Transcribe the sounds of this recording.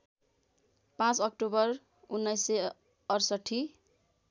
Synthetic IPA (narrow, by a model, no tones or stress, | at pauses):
pãt͡sʌk̚ʈobʌr | unːʌjse | ʌrsʌʈʰːi